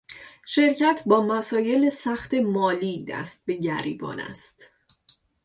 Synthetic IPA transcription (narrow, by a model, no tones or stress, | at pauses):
ʃe̞ɾcʰæt̪ʰbɒːmæsɒːje̞lesæxt̪ʰe̞mɒːliːd̪æ̰st̪̚be̞ɟæɾiːbɒ̰ːnæ̰st̪